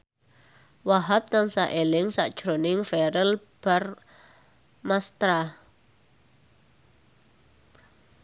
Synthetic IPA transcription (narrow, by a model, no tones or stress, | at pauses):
waɦap̚t̪ansaʔelɪŋsa̰ʔd̥ʒ̥ɾonɪŋfɛɾəl | b̥ar | mast̪ɾa